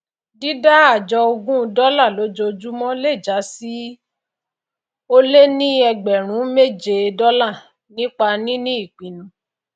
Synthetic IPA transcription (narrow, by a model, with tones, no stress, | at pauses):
di˦da˦a˦˨d͡ʒɔ˧o˧ɡũ˦˧dɔ˦la˦˨lo˨˦d͡ʒo˧d͡ʒu˦mɔ̃˦le˦˨d͡ʒa˨˦si˦ | o˦le˦nĩ˦ɛ˧ɡ͡bɛ˨ɾ̃ũ˨˦me˦˨d͡ʒe˧dɔ˦la˦˨ | nĩ˦k͡pa˧nĩ˦nĩ˦i˦˨k͡pĩ˨˦nũ˨˦